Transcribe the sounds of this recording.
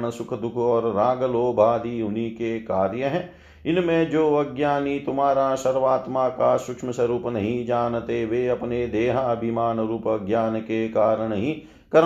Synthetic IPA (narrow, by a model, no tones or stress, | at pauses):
nəsʊkʰd̪ʊkʰɔːɾːaːɡəloːbʱaːd̪iʊnikekaːɾjəɦɛː | ɪnmẽd͡ʒoːɐɡjaːnit̪ʊmaːɾasɐɾʋaːt̪makasʊkʃməsəɾuːpnɐɦĩd͡ʒaːnt̪eʋeɐpned̪eːɦabʱɪmaːnɾuːpɐɡjaːnkekaːɾəɳ̃ɦĩ | kɐɾ